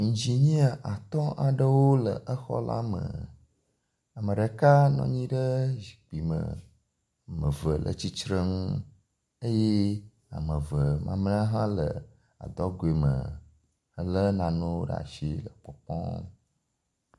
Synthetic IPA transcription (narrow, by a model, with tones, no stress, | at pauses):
ŋ̩˨d͡ʑi˨ɲĩ˦a˨ʔa˨t̪ɔ̃˦ʔa˨ɖə˦wo˦lə˨ʔə˦xɔ̰˦la̰˦mə̰˨ | a˨mə̃˨ɖə˨ka˦nɔ̰̃˨ɲĩ˦ɖə˦ʒi̥˨k͡pi˨mə̰˨ | mə̃˨və˨lʔə̰˨t͡ɕi˦t͡ʃɾə˦ŋu˦ | ə˦je˦ | a̰˨mə˨və˨mʔã̰˨mn˦a˦ɦã˦lə˨ | a̰˨d̪ɔ˦ɡo˨e˨mə̰˨ | ə˨lə˦nã˨nõ˦ɖ̰a̰˨ʃi˦lə˨k͡pɔ˨k͡pɔ̰̃˦